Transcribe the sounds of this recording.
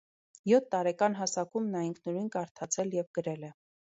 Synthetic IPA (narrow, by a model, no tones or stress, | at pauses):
jɔt̪ʰːɑɾɛkɑnɦɑsɑkumnɑiŋkʰnɔɾinkɑɾt̪ʰɑt͡sʰɛljɛvɡəɾɛlɛ